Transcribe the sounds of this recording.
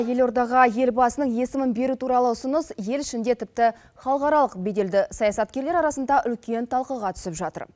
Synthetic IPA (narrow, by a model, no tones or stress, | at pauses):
je̞lo̞ɾd̪ɑʁɑje̞lbɑsənəɴje̞sɪmɪnbe̞ɾut̪ʰuɾɑlˠəʊsʊnəsje̞lɪʃɪnd̪e̞t̪ʰɪp̚t̪ɪ | χɑlˠəqɑɾɑlˠəqbe̞d̪e̞ld̪ɪsɑjɑsɑt̪̚kʲe̞ɾle̞ɾɑɾɑsənd̪ɑʔʏlkʲe̞nt̪ʰɑlˠqəʁɑt̪ʰʏ̥sɪpʒɑt̪ə̰ɾ